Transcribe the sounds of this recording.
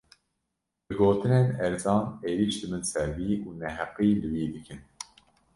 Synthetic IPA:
bɨɡoːt̪ʰɨneːnɛɾzɑːneːɾiːʃd̪ɨmɨnsɛɾviːuːnɛɦɛqiːlɨwiːd̪ɨkʰɨn

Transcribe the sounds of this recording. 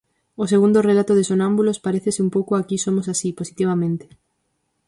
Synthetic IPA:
oseɣund̪ʊrelat̪oðesonãmbulospaɾeθesɪumpowkoakisomosasiposit̪iβ̞amẽnt̪e̥

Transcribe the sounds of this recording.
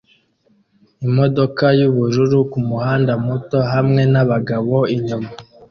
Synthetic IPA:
imo̞do̞kajuβuɾuɾukumuhaːndamuto̞ɦamŋe̞naβaɡaβo̞iɲuma

